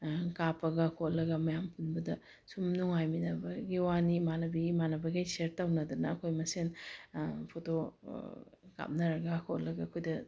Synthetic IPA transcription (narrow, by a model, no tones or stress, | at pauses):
kapɐɡɐkʰotlɐɡɐmɐjampunbɐdɐ | sumnuŋajminɐbɐɡiwanimanɐbimanɐbɐɡijseɾtawnɐdɐnɐːkʰojmɐsen | pʰoto | ka̰p̚nɐɾɐɡɐkʰot̚lɐɡɐɐkʰojdɐ